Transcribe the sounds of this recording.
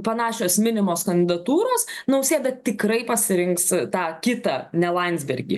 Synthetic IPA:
pɐnɑːʃʲoːsmʲɪnʲɪmoːskɐnd̪ʲɪd̪ɐt̪uːɾoːsnɐʊsʲeːd̪ɐt̪ʲɪkɾɐɪpɐsʲɪɾʲɪŋkst̪ɑːkʲɪt̪ɐnʲɛlˠɐnʲzʲbʲɛrʲɡʲḭ

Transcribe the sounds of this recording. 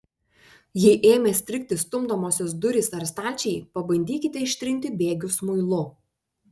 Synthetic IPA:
jɪʔeːmʲeːsʲt̪ʲɾʲɪk̚ʲt̪ʲɪst̪ʊmd̪oːmoːsʲɔsd̪ʊɾʲɪsɐɾst̪ɑːlʲt͡ʃʲɛɪpɐbɐnʲd̪ʲiːkʲɪt̪ʲɛɪʃʲt̪ʲɾʲɪnʲt̪ʲɪbʲeːɡʲʊsmʊɪlˠʊ

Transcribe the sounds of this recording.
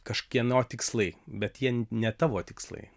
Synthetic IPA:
kɐʃkʲiɛnoːt̪ʲɪkslˠɐɪbʲɛt̪jiɛnʲɛt̪ɑːʋoːt̪ʲɪkslˠɐ̰ɪ

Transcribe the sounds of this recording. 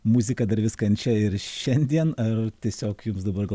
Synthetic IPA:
muzʲɪkɐd̪ɐɾʋʲɪskɐɐnʲt͡ʃʲɛɪɾʃʲɛnʲd̪ʲiɛnɐrt̪ʲiɛsʲoːkjʊmsd̪ɐbɐrɡɐ

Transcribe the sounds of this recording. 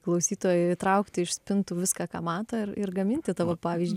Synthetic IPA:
klˠɐʊsʲiːt̪oːjɛt̪ɾɐʊkt̪ʲɪɪʃsʲpʲɪnt̪uːʋʲɪskɑkɑ̰ːmɑːt̪oːɪrɪrɡɐmʲɪnʲt̪ʲɪt̪ɑʋoːpɑːʋʲizʲd͡ʒʲ

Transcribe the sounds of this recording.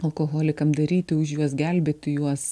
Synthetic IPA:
ɐlˠkoːɣoːlʲɪkɐmd̪ɐɾʲiːt̪ʲɪʊʃjuɔsɡʲælʲbʲeːt̪ʲɪjuɔs

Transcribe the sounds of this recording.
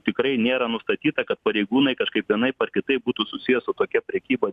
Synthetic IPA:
t̪ʲɪkɾɐɪnʲeːɾɐnʊst̪ɐt̪ʲiːt̪ɐkɐt̪pɐɾʲɛɪɡuːnɐɪkɐʃkɐɪpʋʲiɛnɐɪpɐrkʲɪt̪ɐɪbuːt̪usʊsʲɪjɛsʊt̪oːkʲɛpʲɾʲɛkʲiːbɐ

